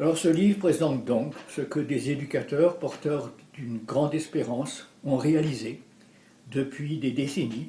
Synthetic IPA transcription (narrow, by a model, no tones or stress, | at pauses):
alɔʁsəlivʁpχezɑ̃t̪̚d̪ɔ̃ksəkəd̪ezed̪ykʲat̪œʁpɔʁt̪œʁd̪̥ynɡʁɑ̃d̪ɛspeʁɑ̃sɔ̃ʁealize | d̪əpʰɥid̪ed̪eseni